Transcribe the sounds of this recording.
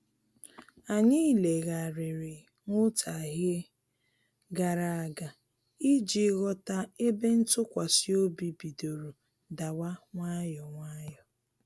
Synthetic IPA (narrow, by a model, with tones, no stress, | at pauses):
a˨ɲɪ˦le˨ɣa˨ɾɪ˨ɾɪ˨ | ŋʊ˦tʰa˨ɦe˦ | ɡa˨ɾa˨a˨ɡa˨ | i˦d͡ʒi˨˦ɣɔ˦ta˦e˦be˦n̩˦tʊ˦kʷa˨si˦o˦bi˨bi˨do˨ɾo˨ | da˨wa˦ŋʷa˦jɔ˨ŋʷa˦jɔ˨